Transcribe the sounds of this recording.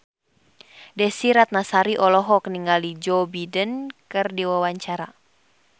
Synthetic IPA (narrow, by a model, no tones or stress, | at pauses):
dɛsiɾat̪̚nasaɾiʔɔlɔɦɔkniŋalid͡ʒɔbidənkɨrdiwawaɲt͡ʃaɾa